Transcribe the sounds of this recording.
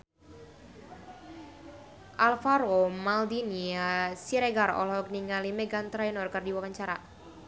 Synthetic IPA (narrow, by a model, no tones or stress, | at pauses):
ʔalfaɾomald̪iniasiɾeɡarɔ̰lɔkniŋalimɛɡant̪ɾajnɔrkɨrdiwɔkaɲt͡ʃaɾa